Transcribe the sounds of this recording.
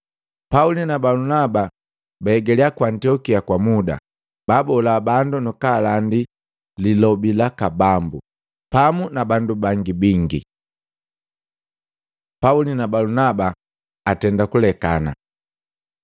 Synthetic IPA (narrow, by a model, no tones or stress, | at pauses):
paulinabalunaba | baɛɡɛliakwantiɔkiakwamuda̰ | babɔlabandunukalandi | lilɔbilakabambṵ | pamunabandubaŋɡibiŋɡḭ | paulinabalunaba | atɛndakulɛkana̰